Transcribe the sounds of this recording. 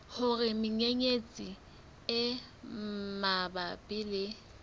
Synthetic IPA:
hʊrɪmɪɲeɲet͡sʼi | ɪ | mabapʼɪːlɪ

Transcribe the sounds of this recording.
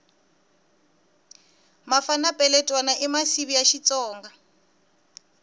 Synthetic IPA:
mafanapʼɛlɛtʼwanaʔimasiβijaʃit͡sʼɔːŋɡa

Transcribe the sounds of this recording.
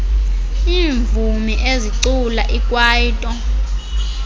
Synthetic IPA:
iːɱvumiʔeziǀula̰ʔikʼwaːjitʼɔ

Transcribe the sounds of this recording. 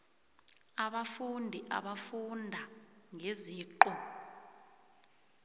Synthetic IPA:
aɓafundʱiʔa̰ɓafundʱaŋeziːǃɔ

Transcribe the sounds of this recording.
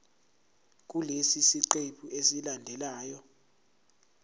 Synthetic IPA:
k̬ʼulesisiǃeɓʰuesilandʱɛlaːjɔ

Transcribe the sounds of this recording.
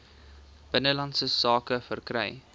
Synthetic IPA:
b̥ənəlɐntsəsɑːkəfərkrɛ̰j

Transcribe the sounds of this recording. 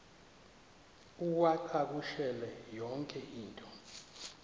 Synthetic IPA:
uk̬waǃʰak̬uʃɛlɛjɔŋkʼɛʔiːntʼɔ

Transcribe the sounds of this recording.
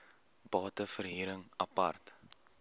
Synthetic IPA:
b̥ɑːtəfərɦiːɾəŋɐpɐ̰rt

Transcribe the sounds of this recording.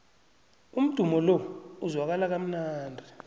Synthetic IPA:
um̩d̥ʱumɔlɔuzwak̬alak̬am̩naːndʱi

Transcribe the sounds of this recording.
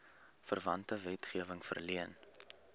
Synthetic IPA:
fərvɐntəvɛtχiəvəŋfə̰rliən

